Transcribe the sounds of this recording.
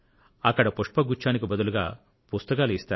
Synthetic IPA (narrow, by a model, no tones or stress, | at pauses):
ɐkːɐɽɐpuʂʈpɐɡut͡ʃːaːnikibɐd̪uluɡa̰ː | pust̪ɐkaːluist̪aː